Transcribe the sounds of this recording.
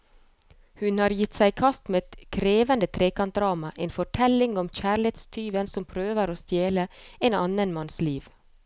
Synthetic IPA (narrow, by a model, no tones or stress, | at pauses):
hʉnhɑːɾjɪt̪sæɪkʰɑst̪meːɛt̪kʰɾeːʋənd̪ət̪ʰɾeːkɑnt̪̚d̪ɾɑːmɑʔeːnfɔʈʰɛlɪŋɔmc͡çæːɭɪeːt̪st̪ʰyːʋənsɔmpʰɾøːʋəɾoːst̪jeːləeːnɑnənmɑnsliːʋ